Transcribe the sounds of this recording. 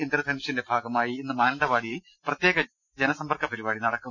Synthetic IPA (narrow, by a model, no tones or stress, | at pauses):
ind̪ɾɐd̪ʱɐnʂinde̞bʱaːɡɐmaːjiinːɨmaːnɐɳɖɐʋaːɽiji | prɐt̪je̞ːɣɐ | d͡ʑenɐsɐmbɐrkɐpɐɾiβaːɽinɐɽɐkːu